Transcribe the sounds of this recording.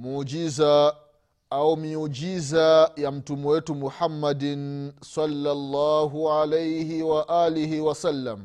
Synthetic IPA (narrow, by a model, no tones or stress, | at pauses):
muːd͡ʒiza | aumiud͡ʒizajam̩tumuwɛtumuħamːadinsalːalːaːɦuʕalejhiwaʔaːlihiwasalːam